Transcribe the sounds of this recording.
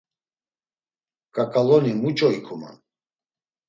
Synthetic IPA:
kʼakʼalɔnimut͡ʃʼɔikʰuma̰n

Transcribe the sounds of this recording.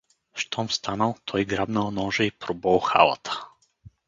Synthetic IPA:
ʃt̪ɔmst̪ʰanəlˠt̪ʰɔjɡɾabnəlˠnɔʒɛipɾɔbɔlˠxa̰lˠə̰t̪ʰə̥

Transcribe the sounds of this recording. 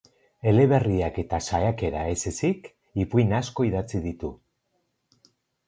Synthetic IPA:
e̞le̞β̞e̞riake̞t̪asajake̞ɾae̞sesik | ipujnasko̞iðat͡siðit̪u

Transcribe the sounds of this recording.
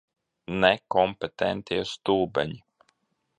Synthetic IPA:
nɛkɔmpɛt̪ɛnt̪iɛst̪uːbɛ̰ɲi

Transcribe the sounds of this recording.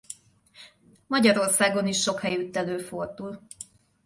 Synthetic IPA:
mɒɟɒɾo̞rsaːɡo̞niʃːo̞khɛjyt̪ːɛløːford̪ul

